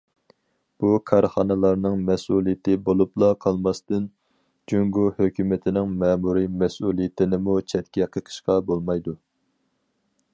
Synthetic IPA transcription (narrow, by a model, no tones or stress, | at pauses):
b̥ukʰɑɾχɑnɨlˠɑɾnɨŋmɛsulˠijɪt̪ʰɪbolˠuplˠɑqʰɑlˠmɑst̪ɨn | d͡ʒyŋɡuhøkʲʰymɪt̪ʰɪnɪŋmɛmuɾimɛsulˠijɪt̪ʰɪnɪmut͡ʃʰɛt̪̚kʲɛqʰəqʰə̥ʃqɑbolˠmɑjd̪u